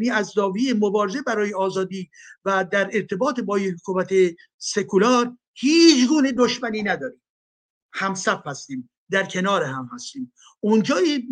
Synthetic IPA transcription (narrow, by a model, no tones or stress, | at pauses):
niːæzd̪ɒːvijemobɒːɾeze̞bæɾɒːjeɒːzɒːd̪iːvæd̪æɾeɾt̪ʰe̞bɒːt̪ebɒːjehkʰumæt̪ʰe | se̞kʰulɒːɾ | hiːt͡ʃʰɡuːned̪oʃmæniːnæd̪ɒːɾiːm | hæmsæfhæst̪iːm | d̪æɾkʰe̞nɒːɾeɦæmhæst̪iːm | ʔund͡ʒɒːji